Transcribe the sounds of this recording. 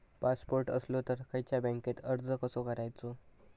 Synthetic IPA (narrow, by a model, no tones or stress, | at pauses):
paspoɾʈə̰slot̪əɾkajt͡ɕjabə̃ŋket̪əɾd͡zəkəsokəɾajt͡so